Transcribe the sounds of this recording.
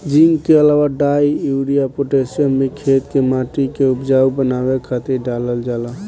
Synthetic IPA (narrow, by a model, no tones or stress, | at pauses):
d͡ʒiŋɡkeəlawaɖajuɽijapoʈesənmekʰet̪kemaʈikeupd͡ʒaubənaβekʰat̪iɖaləld͡ʒala